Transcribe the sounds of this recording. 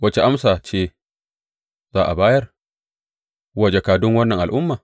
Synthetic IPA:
wɐ˦t͡ʃe˨ʔa˦msaː˨t͡ʃeː˦˨ | z̥aː˦ʔa˨baː˦jɐ˦r | wɐ˦˨d͡ʒe˨kaː˨dʊ˦ŋwɐ˦nːɐ˨ŋʔa˨lʔʊ˦mːaː˨

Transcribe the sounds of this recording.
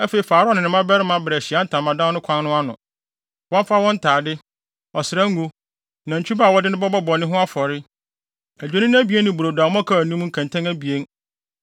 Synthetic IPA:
æ˦fe˨i˨faː˨ɾnɪ̃˨nɪ̃˨mã˦bɛ˦ɾɪ˦mã˨bɾɛ˨ɕɪ˨a˦n̩˦tʰã˨mːã˨dã˦nʊ̃˦kʷʰã˦nnʊ̃˦a˦nʊ̰̃˨ | wɔ̃˦m˦fa˦wɔ̃˦n̩˦tʰaː˨dɪ˦ | ɔ˨sɪ˨ɾa˦ŋ̩˦ɡũ˦ | nã˨ɲ̩˨t͡ɕʰᶣu˦baː˦˨wɔ˦dɪ˦nʊ̃˦bɔ˦bɔ˦bɔ˨nɪ̃˦ɦʊ̃˦a˦fɔ˨ɾɪ˦ | æ˨d͡ʑᶣe˦nɪ̃˦ñ˦æ˦bi˨e˦nːɪ̃˨bu˨ɾo˨dã˨˦m˦ã˦kʰa˦˨nũ˦m̃˦ŋ̩˦kʰã˨ntʰã˦næ˦bi˨e˦n

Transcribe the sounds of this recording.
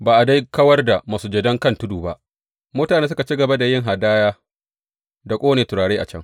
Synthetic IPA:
baː˨ʔa˨da˦jkɐ˦wɐ˦rda˨maː˨su˨d͡ʒɛ˨dɐ˦ŋkɐ˦˨ntʊ˦duː˨ba˦ʔ | moː˦taː˨neː˦s̬ʊ˦ka˨t͡ʃi˦ɡɐ˨ba˦da˨jɪ˦ŋɦa˨daː˦jaː˦ | da˨kʷʼoː˦neː˨tʊ˨ɽaː˨ɽeː˦ʔa̰˨t͡ʃɐ˦ŋ

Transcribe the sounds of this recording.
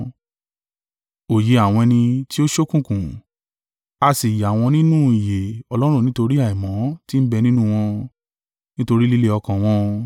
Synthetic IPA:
o˨je˧˦a˨w̃ɔ̃˧ɛ˧nĩ˧ti˦o˦ʃo˦kũ˦˨kũ˨ | a˧si˨ja˨w̃ɔ̃˧nĩ˦nũ˦i˨je˨ɔ˧lɔ˦ɾ̃ũ˦˧nĩ˦to˧ɾi˦a˦˨i˨mɔ̃˨˦ti˦m̩˦bɛ˧nĩ˦nũ˦˧w̃ɔ̃˧ | nĩ˦to˧ɾi˦li˦le˦ɔ˧kã˨w̃ɔ̃˧

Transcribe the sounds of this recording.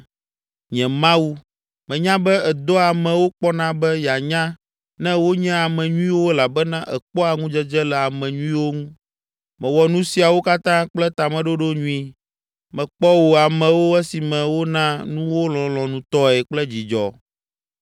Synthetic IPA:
ɲɛ̃˨mã˦wu˦ | mɛ̃˨ɲã˦bɛ˦ɛ˨d̪ɔ˦a˨mɛ̃˨wo˦k͡pɔ˦nã˦bɛ˦ja˨ɲã˦ | nɛ̃˦wo˦ɲɛ̃˦a˨mɛ̃˨ɲũ˦i˦wo˦la˨bɛ˦nã˦ʔɛ˨k͡pɔ˦a˨ŋũ˦d͡ʒɛ˦d͡ʒɛ˦lɛ˨a˨mɛ̃˨ɲũ˦ĩ˦wo˦ŋũ˦ | mɛ̃˨wɔ˨nũ˦si˨a˨wo˦ka˦t̪ã˦k͡plɛ˦t̪a˨mɛ̃˨ɖo˦ɖo˦ɲũ˦ĩ˦ | mɛ̃˨k͡pɔ˦wo˨a˨mɛ̃˨wo˦ɛ˦si˨mɛ̃˨wo˦nã˦nũ˦wo˦lɔ̃˨lɔ̃˨nũ˨t̪ɔ˦ɛ˨k͡plɛ˦d͡ʑi˨d͡ʒɔ̰˨

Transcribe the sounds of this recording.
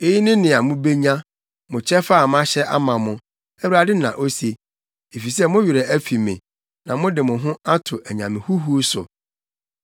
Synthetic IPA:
e˦ji˦nɪ̃˦nɪ̃˨a˨mʊ̃˦be˦ɲã˦ | mʊ̃˨t͡ɕʰɛ˦fa˦a˨m˦a˦ɕɛ˦ʔa̰˦mã˨mʊ̃˨ | æ˦wu˦a˨dɪ˦nã˨ʔo˦se˨ | e˨fi˨sɛ˦mʊ̃˦ɥɪ˨ɾɛ˨æ˦fi˨mɪ̃˨ | nã˨mʊ̃˦dɪ˨mʊ̃˨ɦʊ̃˦a˦tʰʊ˨ʔæ˨ɲã˨mɪ̃˨hu˦ɦu˦sʊ̰˨

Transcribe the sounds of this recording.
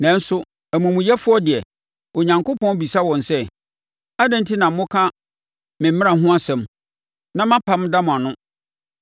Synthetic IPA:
nɛ̃˨n̩˦sʊ˦ | æ˨mũ˨mũ˨jɛ˦fʊ˦ɔ˦dɪ˨ɛ˨ | o˨ɲã˨ŋko˦pʰɔ̃˦n˦bi˨sa˦wɔ̃˨nsɛ˦ | a˦dɛ̃˦n˦tʰi˦nã˨m̩˦mʊ̃˦kʰa˦ | mɪ̃˨mmɪ̃˦ã˨ɦʊ̃˦a˦sɛ̃˨m | nã˦mã˦pʰa˨˦m˦da˦mʊ̃˨a˨nʊ̃˦

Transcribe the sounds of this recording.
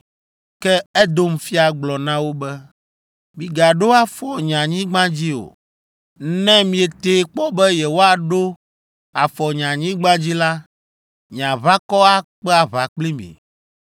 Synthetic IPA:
kɛ˦ɛ˦d̪o˦m̩˦fi˦a˨ɡ͡blɔ˨nã˦wo˦bɛ˦ | mĩ˨ɡa˨ɖo˦a˦fɔ˨ɲã˨ɲĩ˦ɡ͡bã˦d͡ʑi˦o̰˨˦ | nɛ̃˦mĩ˨ɛ˨t̪e˨˦k͡pɔ˦bɛ˦jɛ˨wo˦a˨ɖo˦ | a˨fɔ˨ɲã˨ɲĩ˦ɡ͡bã˦d͡ʑi˦la˦ | ɲ˨ã˨βa˦kɔ˦a˦k͡pɛ˦a˨βa˨k͡plĩ˦mḭ̃˨

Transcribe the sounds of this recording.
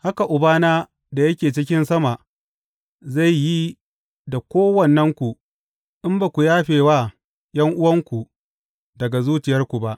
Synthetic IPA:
ha˦ka˨ʔʊ˨baː˦naː˦ | da˨jɐ˦kʲeː˨t͡ʃɪ˦kʲɪ˦nsɐ˦ma˨ʔ | za˦˨jji˦ | da˨kʷoː˦wɐ˨nːɐ˦ŋkʷu˨ | ʔɪ˦mbaː˨kʷu˨jaː˦ɸeː˨waː˦ | jɐ˦ŋʔʊ˦wɐ˦ŋkʷu˨ | dɐ˨ɡa˨zuː˦t͡ʃɪ˨jɐ˦rkʷu˨ba˦ʔ

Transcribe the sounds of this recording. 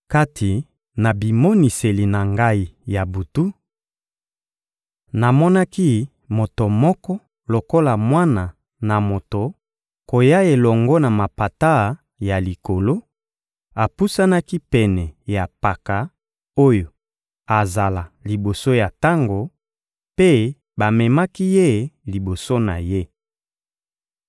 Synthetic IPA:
ka˦tʰi˨ | na˨bi˨mo˦ni˨se˨li˨na˨ŋɡa˦i˦ja˨bu˨tu˦ | na˨mɔ˦na˦ki˦ | mo˨to˨mɔ˦kɔ˦ | lo˨ko˦la˨mwa˦na˨ | na˨mo˨to˨ | ko˨ja˦e˨lɔ˨ŋɡɔ˦na˨ma˨pa˨ta˦˨ | ja˨li˨ko˨lo˦ | a˨pu˦sa˦na˦ki˦pɛ˨nɛ˨ja˨pa˨ka˨ | o˦jo˨ | a˨za˨la˨li˨bo˨so˦ja˨ta˦ŋɡo˨ | pe˦ | ba˨mɛ˨ma˦ki˦je˦li˨bo˨so˦na̰˨je˦

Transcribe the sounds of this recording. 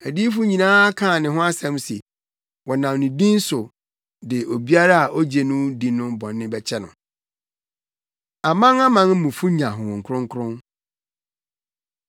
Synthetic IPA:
æ˨di˦fʊ˦ɲĩ˨nãː˦kʰãː˦˨nɪ̃˨ɦʊ̃˦a˦sɛ̃˦mse˨ | wɔ˨nã˨nʊ̃˨dĩ˦n̩˦sʊ˨ | dɪ˨ʔo˨bi˦a˦ɾa˦a˨ʔɔ˦d͡ʑe˨nʊ̃˦dĩ˨nʊ̃˦bɔ̃˨nːɪ̃˦bɛ˦t͡ɕʰɛ˦nʊ̰̃˨ | a˨mã˦ŋa˦mã˦n̩˦mũ˨fu˦ɲã˨ɦʊ̃˨ŋ̩˨kʰʊ˦ɾʊ̃˦ŋ˦kʰʊ˦ɾʊ̃˦n

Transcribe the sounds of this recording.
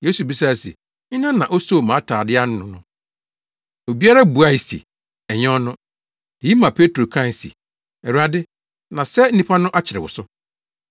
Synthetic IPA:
je˦su˨bi˦s̬a˦˨sḛ˨ | ɲɪ̃˦nã˦nã˨ʔo˦so˦˨mã˨˦tʰaː˨dɪ˦a˦nʊ̃˦nʊ̃˨nʊ̃˦ | o˨bi˦a˦ɾa˦bu˨a˦i˨sḭ˨ | ɛ˨ɲɔ̃˦nʊ̃˦˨ | i˦mã˨pʰe˦tɾo˨kʰã˦˨sḭ˨ | ɛ˨ɾu˨a˨dɪ˦ | nã˨sɛ˦n̩˦nĩ˦pʰa˦nʊ̃˦ʔa˦t͡ɕʰɪ˨ɪ˨wʊ̰˨sʊ˦

